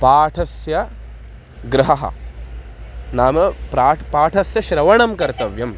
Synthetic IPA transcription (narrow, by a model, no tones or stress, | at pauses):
paːʈʰɐsjɐ | ɡɾɐɦɐɦɐ̰ | naːmɐpɾaːʈpaːʈʰɐsjɐʃɾɐʋɐɳɐmkɐɾt̪ɐʋjɐm